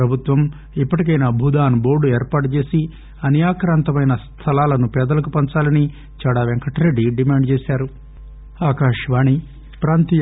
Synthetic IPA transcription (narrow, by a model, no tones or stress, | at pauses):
pɾɐbʱut̪ʋɐm | ipːɐʈik̬ɐjnaːbʱuːd̪aːnubo̞ːɾɖueːɾpaːʈut͡ʃe̞ːsi | ɐnjaːkɾaːnt̪ɐmɐjnɐst̪ʰɐlaːlɐnupɛːd̪ɐlɐk̬upɐnt͡ʃaːlɐni | t͡ʃɐɽaːʋeŋkɐʈɾeɖːiɖimaːɳɖt͡ʃeːsaːɾu | aːkaːʂʋaːɳi | pɾaːnt̪i